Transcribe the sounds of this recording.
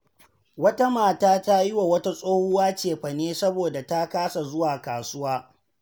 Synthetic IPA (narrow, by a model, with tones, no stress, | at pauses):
wɐ˦ta˦maː˨taː˦ta˦jɪ˦wa˨wɐ˦ta˦sʼoː˦hʊ˦waː˦t͡ʃeː˨ɸɐ˨neː˦sɐ˦boː˨da˨ta˦kaː˦sa˨zʊ˦waː˨kaː˨sʊ˦waː˦